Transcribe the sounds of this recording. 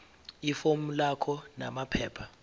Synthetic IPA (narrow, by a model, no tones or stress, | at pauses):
ifomulakʰɔna̰mapʰɛːpʰa